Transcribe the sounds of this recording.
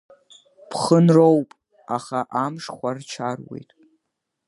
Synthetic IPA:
pʰχənrowpʼ | aχaʔamʂχʷart͡ʃʰarwe̞̰jtʼ

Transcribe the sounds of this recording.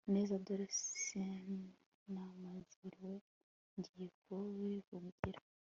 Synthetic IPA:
neːzadoɾeseni | namaziɾwe | nɟikowivuɡɡiɾa

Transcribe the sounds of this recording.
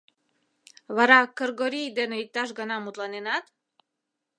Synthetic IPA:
βɑɾɑkərɣoɾijd̪eneik̚t̪ɑʃ̬ɣənɑmut̪lɑnenɑt̪

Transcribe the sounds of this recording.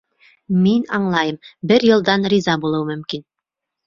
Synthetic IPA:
minɑɴlˠɑjɤmbɘɾjɤ̆lˠd̪ɑnrizɑbulˠɤwmɵ̆mkin

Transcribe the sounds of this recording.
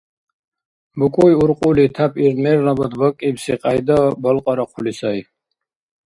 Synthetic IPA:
bukʼujuɾqʼulit̪ʰapʰiɾmɛɾnabɔd̪bɔkʼibsiqʼajd̪ɔbɔlqʼɔɾaqʰulisaj

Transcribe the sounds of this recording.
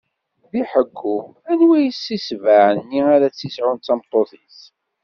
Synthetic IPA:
ðiħəɡːu | ænwæjəsːisvaʕənːiaɾæt͡sːisʕʊnæmt̪ˤːoθiθ

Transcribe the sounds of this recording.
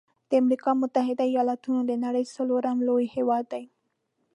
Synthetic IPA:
d̪̥əamɾikɑmʊt̪aɦɪd̪aijɑlɑt̪unod̪ənaɽəjsaloɾamlojhewɑd̪ːaj

